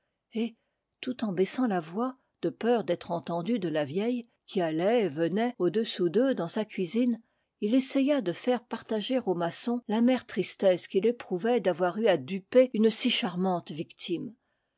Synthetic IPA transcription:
e | t̪ut̪ɑ̃bɛsɑ̃lavwa | d̪̥əpœʁd̪ɛt̪χɑ̃t̪ɑ̃d̪yd̪əlavjɛj | kʲialɛvənɛod̪əsud̪ød̪ɑ̃sakʲɥizin | ilesɛjad̪əfɛʁpaʁt̪aʒeʁomasɔ̃lamɛʁt̪χist̪ɛskʲilepχuvɛd̪avwaʁyad̪ypeynsiʃaʁmɑ̃t̪vikt̪ʰim

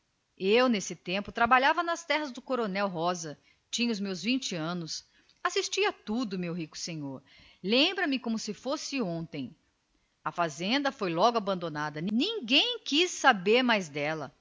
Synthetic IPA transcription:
ewnesɪt̪ẽmpʊt̪ɾabaʎavɐnɐst̪ɛɦɐzd̪ʊkoɾonɛwɦɔzɐ | t͡ʃĩɲɐʊzmewzvĩnt͡ʃɪɐ̃nʊs | asist͡ʃiɐt̪ud̪ʊmewɦikʊ̥sẽɲoɾlẽmbɾɐmɪkõmʊsɪfosɪõnt̪ẽj̃ | ɐfazẽnd̪ɐfojlɔɡʊabɐ̃nd̪onad̪ɐnnĩŋɡẽj̃kissabeɾmajzd̪ɛlɐ̰

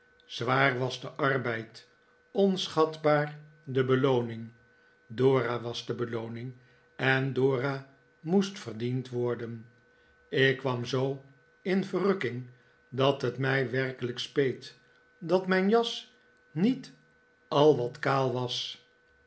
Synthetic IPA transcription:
z̥ʋaːrʋɑzdəʔɑrbɛjt | ɔnsχɑtbaːr | dəbəlownɪŋ | doːraʋɑzdəbəlownɪŋ | ɛndoːra | mustfərdintʋɔɹdən | ɪkːʋɑmzow | ɪnvərɵkɪŋ | dɑtɦətmɛjʋɛrkələkspejt | dɑtmɛjnjɑs | nit | ɑlˠʋɑtkaːlˠʋɑs

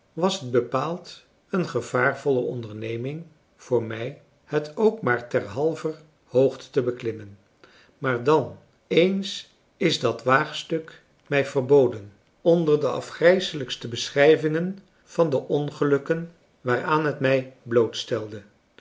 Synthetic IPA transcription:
ʋɑsɦəd̚bəpaːlˠt | ənχəv̥aːrvɔləʔɔndəɹnejmɪŋ | v̥ʊːɹmɛj | hətʰowkmaːɹtɛrɦɑlˠvər | howχtə̥təbəklɪmən | maːɹdɑn | ejns | ɪzdɑtʋaːχstɵk | mɛjvərbowdən | ɔndərdəʔɑ̰fχrɛjsələkstəbəsχrɛjvɪŋən | v̥ɑndəʔɔnχəlɵkən | ʋaːraːnɦətmɛjblowtstɛlˠdə

